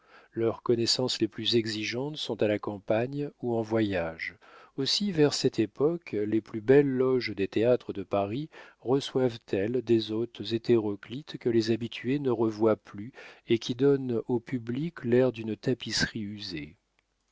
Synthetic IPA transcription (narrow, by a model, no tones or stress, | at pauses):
lœʁkɔnɛsɑ̃sleplyzɛɡziʒɑ̃t̪sɔ̃t̪alakɑ̃paɲuɑ̃vwajaʒ | osivɛʁsɛt̪epɔkleplybɛlːɔʒd̪et̪eat̪χəd̪əpaʁiʁəswavt̪ʰɛld̪ezot̪zet̪eʁɔklit̪kəlezabit̪ʰyenəʁəvwaplyekʲid̪ɔnopybliklɛʁd̪ynt̪apisχiyze